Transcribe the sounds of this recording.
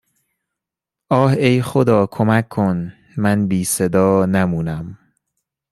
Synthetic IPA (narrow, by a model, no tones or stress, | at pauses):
ʔɒːhejxod̪ɒːkʰomækʰːon | mænbiːsed̪ɒːnæmuːnæm